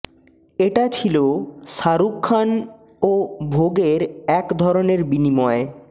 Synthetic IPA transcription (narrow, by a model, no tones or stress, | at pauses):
eʈat͡ɕʰiloʃaɾukʰːan | obʱoɡeɾɛkd̪ʱɔɾoneɾbinimɔe